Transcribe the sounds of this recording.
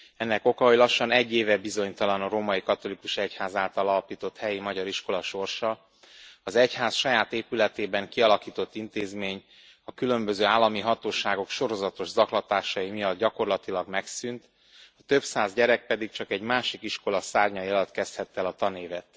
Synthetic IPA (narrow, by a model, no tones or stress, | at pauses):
ɛnːɛko̞kɒɦojlɒʃːɒnɛɟːeːvɛbizo̞ɲt̪ɒlɒnɒɾoːmɒjikɒt̪o̞likuʃɛchaːzaːlt̪ɒlɒlpiːt̪o̞t̪hɛjimɒɟɒɾiʃko̞lɒʃo̞rʃɒ | ɒzɛchaːsʃɒjaːt̪eːpylɛt̪eːbɛŋkiɒlɒkiːt̪o̞t̪ːint̪eːzmeːɲ | ɒkylø̞mbøzøːaːlːɒmiɦɒt̪oːʃaːɡo̞kʃo̞ɾo̞zɒt̪o̞ʒzɒklɒt̪aːʃɒjimijɒd̪̚ɟɒko̞rlɒt̪ilɒɡmɛksynt̪ | ɒt̪ø̞bsaːzɟɛɾɛk̚pɛd̪ik̚t͡ʃɒkɛɟmaːʃikiʃko̞lɒsaːrɲɒjiɒlɒt̪kɛst̪hɛt̪ːɛlɒt̪ɒneːvɛt̪